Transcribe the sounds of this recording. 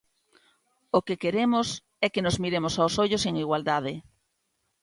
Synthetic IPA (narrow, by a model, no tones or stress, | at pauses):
okekeɾemʊs | ɛkenozmiɾemosawsoʎoseŋiɣwald̪aðɪ